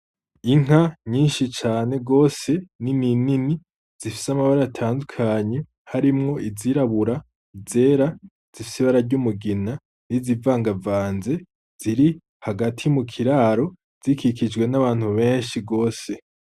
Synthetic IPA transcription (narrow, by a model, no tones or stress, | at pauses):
iŋ̥aɲiːnʃit͡ʃaːne̞ɡo̞ːse̞nininini | z̥ifi̥samaβaɾaatʰaːndukʰaɲe | haɾimŋo̞ʔiziɾaβuɾa | ize̞ːɾa | z̥ifi̥siβaɾaɾɟumuɡina | nizivaːŋɡavaːnze̞ | z̥iɾi | haɡatʰijumukʰiɾaːɾo̞ | z̥ikʰikid͡ʒɡwe̞naβaːn̥huβe̞ːnʃiɡo̞ːse̞